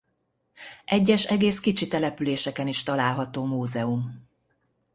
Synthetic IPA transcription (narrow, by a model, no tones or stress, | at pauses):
ʔɛɟːɛʃɛɡeːskit͡ʃit̪ɛlɛpyleːʃɛkɛniʃt̪ɒlaːlɦɒt̪oːmuːzɛum